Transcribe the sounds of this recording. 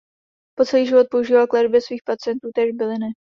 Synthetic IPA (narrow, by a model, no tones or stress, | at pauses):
po̞t͡sɛliːʒɪvo̞t̪̚po̞uʒiːvalklɛdbjɛsviːxpat͡sɪjɛnt̪uːt̪ɛːʒbɪlɪnɪ